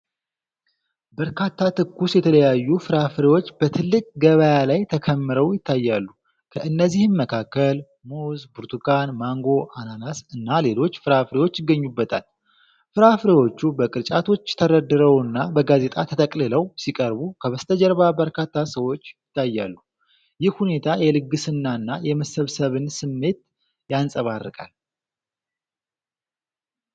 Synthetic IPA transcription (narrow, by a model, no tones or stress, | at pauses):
bəɾkʰat̪ːat̪ʰɨkːusjɛt̪ʰələjajːufɨɾafɾewo̞t͡ʃːb̥ət̪ʰɨlːɨkʼɡəβəjalajt̪ʰəkʰəmːɨɾəwjɪt̪ːajːalːu | kʰəʔɨnːəzːihɨmməkʰakːəl | muzbuɾt̪ʰukanmaŋɡo̞ʔananasɨnːale̞lo̞t͡ʃːfɨɾafɾewo̞t͡ʃːjɪɡːəɲːubːət̪ʰa̰l | fɨɾafɾewo̞t͡ʃːubəkʼɨɾt͡ʃʼat̪ʰo̞t͡ʃːt̪ʰəɾəd̪ːɨɾəwɨnːabəɡaze̞t̪ʼat̪ʰət̪ʰəkʼlɨləwsikʼəɾbukʰəβəst̪ʰəd͡ʒɛɾβabəɾkʰat̪ʰːasəwo̞t͡ʃːjɪt̪ʰːajːalːu | jɪhhune̞t̪ʰajɛlɨɡːɨsɨnːaɨnːajɛməsəβsəβɨnsɨmːe̞t̪ | jansʼəβarːɨ̰kʼa̰l